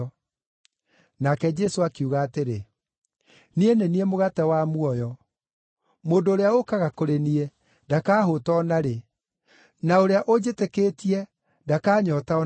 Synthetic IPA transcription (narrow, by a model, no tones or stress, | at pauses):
nakɛd͡ʒɛsoakiuɣaːteɾe | nieneniemoɣatɛwamuɔjɔ | moːndoːɾeaokaɣakoɾeniɛ | dakaːɦotɔːnaɾe | naoɾeaʔod͡ʒetekeːtiɛ | dakaːɲɔtaɔ